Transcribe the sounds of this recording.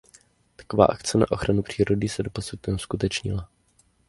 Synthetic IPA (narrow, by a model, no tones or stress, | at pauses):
t̪ḁkova̰ːʔakt͡sɛna̰ʔo̞xɾanupr̝̥iːɾo̞dɪsɛdo̞po̞sut̪ɛskut̪ɛt͡ʃɲɪ̰la